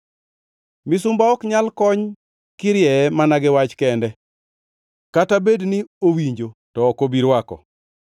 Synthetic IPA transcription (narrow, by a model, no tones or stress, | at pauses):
mɪsʊmbaɔkɲalkɔɲ | kɪɾjɛmanaɡɪwat͡ʃkɛndɛ | katabedniowiɲd͡ʒotɔːkobiɾwakɔ̰